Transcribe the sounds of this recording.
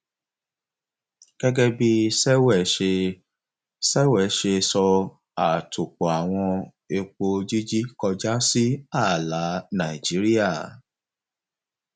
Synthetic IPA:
ɡ̥ɛ˦ɡɛ˦bi˦sɛ˦wɛ˦˨˦ʃe˧ | sɛ˦wɛ˦˨˦ʃe˧sɔ˧ | a˨tʰo˨k͡po˨a˨w̃ɔ̃˧ | e˧k͡po˧d͡ʒi˦d͡ʒi˦kɔ˧d͡ʒa˦si˦a˦˨la˨˦nã˨i˨d͡ʒi˨˦ɾi˦a˦˨

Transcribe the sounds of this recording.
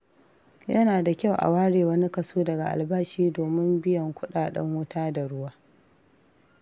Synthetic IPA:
jɐ˦naː˨da˨kʲa˦˨wʔa̰˨waː˦ɽeː˨wɐ˦ni˦kɐ˨suː˦dɐ˨ɡa˨ʔa̰˨lbaː˦ʃiː˦doː˨mɪ˦mbɪ˦jɐ˨ŋkʷʊ˦ɗaː˨ɗɐ̰˦ŋwʊ˦taː˦da˨ɽʊ˦waː˦

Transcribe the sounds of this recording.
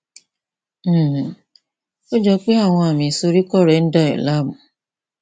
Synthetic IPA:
o˦d͡ʒɔ˧k͡pe˦a˦˨w̃ɔ̃˧a˨mĩ˨so˧ɾi˦kɔ˦˨ɾɛ˨˦n̩˦da˦˨ɛ̰˨la˦mũ˨

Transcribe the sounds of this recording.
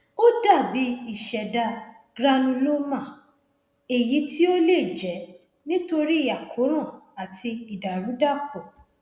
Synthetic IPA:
o˦da˦˨bi˨˦i˨ʃɛ˨da˧ | ɡɾã˧nũ˧lo˦mã˦˨ | e˨ji˨˦ti˦o˦le˦˨d͡ʒɛ˨˦ | nĩ˦to˧ɾi˦˨ja˨kʰo˨˦ɾ̃ã˦˨a˨tʰi˧i˨da˨ɾ̃ũ˨˦da˦˨pɔ˨

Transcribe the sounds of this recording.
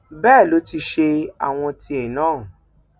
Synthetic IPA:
bɛː˦˨lo˨˦ti˧ʃe˧a̰˨w̃ɔ̃˧ti˧ɛ˨nãː˦˨

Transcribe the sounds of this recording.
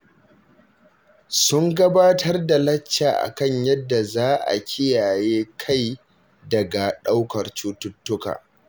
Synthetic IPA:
sʊ˦ŋɡɐ˦baː˦tʰɐ˦rda˨lɐ˦t͡ʃːaː˨ʔa̰˨kɐ˦ɲjɐ˦dːa˨zaː˦ʔa̰˨kʲʰɪ˦jaː˨jeː˦kʰa˦˨j | dɐ˨ɡa˨ɗa˦wkɐ˨rt͡ʃuː˦tʊ˦tːʊ˦ka̰ː˨

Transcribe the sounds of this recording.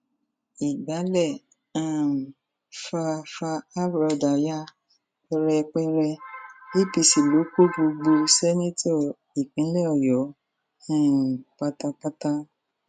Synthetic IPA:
i˨ɡ͡ba˨˦lɛ˦˨ | ã˦˨ | fa˧fa˧a˦bɾɔ˧˨da˨ja˦ | ɛ˧ɾɛ˧k͡pɛ˦ɾɛ˧i˦˨pi˧˨si˨lo˨˦ko˦bo˧ɡ͡bo˧sɛ˦nĩ˦tɔ˦˨ | i˨k͡pĩ˨˦lɛ˦ɔ˨jɔ˨˦ | ã˦˨k͡pa˧ta˧k͡pa˦ta˦

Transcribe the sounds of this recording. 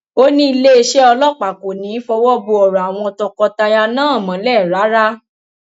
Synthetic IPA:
o˦nĩ˦i˧le˦e˧ʃɛ˦ɔ˧lɔ˦k͡pa˨ko˨nĩ˨˦fɔ˧wɔ˦bo˧ɔ˨ɾa˨a˨w̃ɔ̃˧tɔ˧kɔ˧ta˧ja˧nãː˦˨mã˨˦lɛ˦˨ɾa˨˦ɾa˦

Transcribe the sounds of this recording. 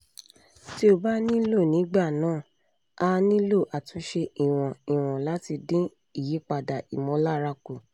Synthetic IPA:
ti˦o˦˨ba˦nĩ˦lo˦˨nĩ˨˦ɡ͡ba˦˨nãː˦˨ | a˧˦nĩ˦lo˦˨ʔa˨tũ˨˦ʃe˧i˨w̃ɔ̃˨i˨w̃ɔ̃˨la˨˦ti˧dĩ˦ | i˦˨je˨˦k͡pa˧da˨ḭ˨mɔ̃˨˦la˦ɾa˧ko˨

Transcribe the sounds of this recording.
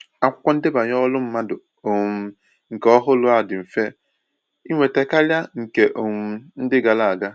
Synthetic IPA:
a˨kʷʊ̥˦kʷɔ˦n̩˦dɪ˦ba˨ɲ˦ɔ˦lʊ˦m̩˦ma˦dʊ˨ | o˨ŋ̩˨ | ŋ̩˨kɔ˦ɦʊ˦lʊ˦a˨dɪ˨m̩˨fe˦ | i˦ŋʷe˨te˨ka˦lja˦ŋ̩˨ke˨ʔo˨ŋ˨n̩˦dɪ˦ɡa˨la˨a˨ɡa˦

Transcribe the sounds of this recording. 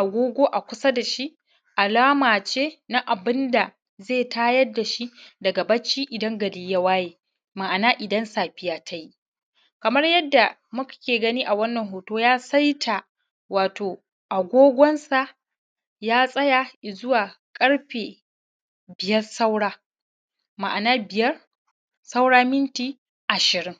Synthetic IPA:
ʔa˨ɡʷoː˦ɡʷoː˦ʔa˨kʷʊ˦sɐ˦da˨ʃi˦ʔ | ʔa˨laː˦maː˨t͡ʃeː˦na˦ʔa˨bɪ˦nda˨ | zeː˦˨taː˦jɐ˦dːa˨ʃi˦dɐ˨ɡa˨bɐ˦t͡ʃːiː˦ʔɪ˨dɐ˦ŋɡɐ˨liː˦ja˦waː˦jeː˨ | ma˨ʔa˨naː˦ʔɪ˨dɐ˦nsaː˨ɸɪ˦jaː˦tʰa˦ji˦ʔ | kɐ˨mɐ˦rjɐ˦dːa˨mʊ˦kkʲeː˨ɡɐ˦niː˦ʔa˨wɐ˦nːɐ˨ŋɦoː˨toː˦jaː˦sɐ˦jtʰa˨ | waː˨toː˨ | ʔa˨ɡʷoː˦ɡʷɔ˦nsa˨ʔ | jaː˦sʼɐ˦ja˨zʊ˦waː˨ | kʼɐ˦ɽɸeː˨ | bɪ˨jɐ˦rsa˦wɽaː˦ | ma˨ʔa˨naː˦bɪ˨jɐ˦r | sa˦wɽaː˦mɪ˦nt͡ʃiː˨ | ʔa˨ʃɪ˨ɾɪ˦ŋ

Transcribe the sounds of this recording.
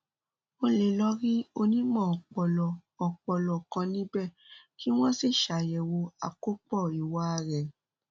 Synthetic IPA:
o˧le˨lɔ˦ɾi˦o˧nĩ˦mɔ̃˦˨ɔ˨k͡pɔ˨lɔ˨ɔ˨k͡pɔ˧lɔ˨kã˧nĩ˦bɛ˦˨ | ki˦w̃ɔ̃˦si˦˨ʃa˨jɛ˨wo˧a̰˨ko˦k͡pɔ˦˨i˨wa˦˧˨ɾɛ˨

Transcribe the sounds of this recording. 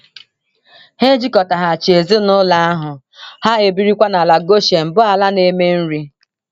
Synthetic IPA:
he˦d͡ʒi˦kɔ˨ta˨ɦa˨a˨t͡ʃe˨zi˦nʊ˦la˦a˦ɦʊ˨ | ha˦e˨bi˦ɾi˦kʷa˦na˨la˨ɡo˦ʃe˨m̩˨bʊ˦a˨la˦ne˨me˦n̩˦ɾi˦

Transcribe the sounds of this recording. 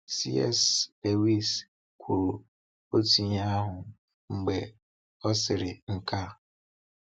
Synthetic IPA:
si˦ɛ̰˦˨sde˨wi˦s | kʷʰu˨ɾ | o˦ti˨ɲa˦ɦʊ˨ | ŋ͡m̩˨ɡ͡be˨ | ɔ˦sɪ˨ɾɪ˨ŋ̩˦ka˦

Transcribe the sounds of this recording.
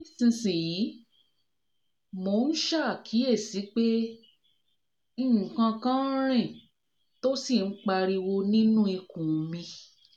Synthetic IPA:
i˦sĩ˧sĩ˨ji˨˦ | mo˧˨˧n̩˦ʃa˦˨kʰi˨˦e˦˨si˨˦k͡pe˦ | ĩ˦˨kã˧kã˦ɾ̃ɛ̃˦˨ | to˦si˦˨n̩˦k͡pa˧ɾi˧wo˧nĩ˦nũ˦i˧kũ˨mĩ˧

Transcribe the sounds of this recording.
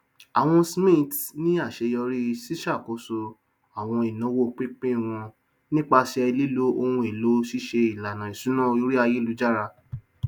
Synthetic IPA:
a˨w̃ɔ̃˧smĩ˦˨tnĩ˦a˦˨ʃe˨˧jɔ˧ɾi˦˧si˦ʃa˦˨ko˨˦so˧ | a˨w̃ɔ̃˧i˨nã˨˦wo˦˨k͡pe˦k͡pẽ˦˨w̃ɔ̃˧ | nĩ˦k͡pa˧ʃɛ˧ɛ˧li˦lo˦o˧hũ˧e˨lo˨˦si˦ʃe˧i˨la˨nã˨i˨sũ˨˦nã˦˨˧o˦ɾi˦a˧je˦lu˨˦d͡ʒa˦˨ɾa˧

